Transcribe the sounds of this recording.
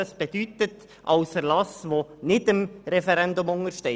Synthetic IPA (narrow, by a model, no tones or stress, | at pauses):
ɑsb̥ɛd̥ytət | ʔɑʊsfəɾlɑsʋonɪdəmɾɛfɛɾɛndʊmʊŋəɾʃtɛ